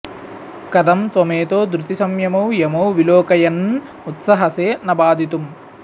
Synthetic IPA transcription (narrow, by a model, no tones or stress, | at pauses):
kɐd̪ɐmt̪ʋɐmeːt̪oːd̪ɾut̪isɐmjɐmɐwjɐmɐwʋiloːkɐjɐn | ut̪sɐɦɐseːnɐbaːd̪ʱit̪um